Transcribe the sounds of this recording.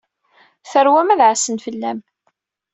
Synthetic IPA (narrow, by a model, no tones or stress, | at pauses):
θəɾwæmæðʕasənfəlːæm